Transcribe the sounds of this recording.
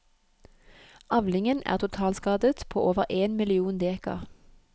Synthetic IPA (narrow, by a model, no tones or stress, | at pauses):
ɑʋlɪŋənʔæ̰ːʁt̪ʰʊt̪ʰɑːlskɑːd̪ət̪pʰo̰ːʔoːʋəʁʔeːnmɪlɪuːnd̪eːkə̰ʁ